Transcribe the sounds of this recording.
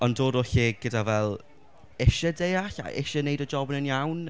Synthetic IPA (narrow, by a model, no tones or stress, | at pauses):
ɔndoːdɔɬeɡ̥ədavɛlˠ | ɪʃədejaɬa̰ʔɪʃənejdəd͡ʒɔbənənjawn